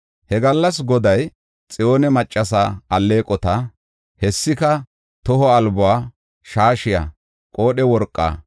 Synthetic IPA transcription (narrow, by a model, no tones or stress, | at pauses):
hɛɡɐlːɐsɡɔd̪ɐj | t͡sʼɪjo̞ːnɛmɐt͡ʃʼːɐsaɐlːe̞ːkʼɔt̪ɐ | hɛsːɪkɐ | t̪ɔɦɔɐlbʊwaː | ʃaːʃɪjɐ̰ | kʼoːɗɛwɔɾkʼːa̰ː